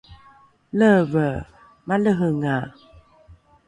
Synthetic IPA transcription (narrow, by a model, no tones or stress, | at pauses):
ləvə | maləɦəŋa